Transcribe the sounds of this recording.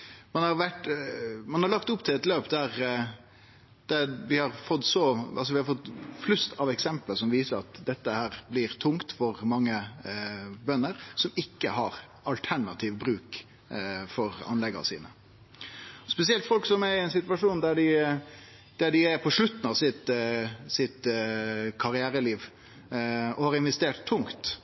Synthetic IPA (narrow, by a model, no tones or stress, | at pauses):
mɑnhɑɾʋæʈmɑnhɑɾɭɑkt̪ʊpːt̪ʰɪlɛt̪løːpd̪æɾ | d̪̥æʋɪhɑɾfɔt̪ːsɔɑls̬ɔʋɪhɑɾfɔt̪ːflʉst̪ʰɑʋɛksɛmpləsɔmʋiːsəɾɑ̰t̪d̪ɛt̪ːəhæːɾblɪɾt̪ʰʊŋkt̪fɔɾmɑŋːə | bœnːəɾsɔmɪkːə̰hɑɾ | ɑlt̪ʰæɳɑt̪ʰiːʋbɾʉːk | fɔɾɑ̰nlɛɡɑ̰sḭːnə̰ | ɔspɛs̬ɪɛlt̪fɔlksɔmæɾɪɛɪnsɪt̪ʋɑʂuːnd̪æɖɪ | d̪̥æɖɪæɾpʰɔʂlʉt̪ːn̩ɑʋsɪt̪sɪt̪ | kʰɑɾɪæːɾəliːʋ | ɔhɑɾɪnʋɛst̪eːʈ̪ʰːʊŋt̪